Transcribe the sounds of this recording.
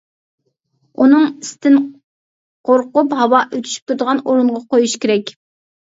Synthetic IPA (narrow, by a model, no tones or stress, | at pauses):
unɨŋist̪ʰɪn | qʰoɾqʊphɑwɑʔøt̪ʰy̥ʃy̥p̚t̪ʰuɾd̪əʁɑnoɾuɴʁɑqojuʃkʲʰeɾɛkʲ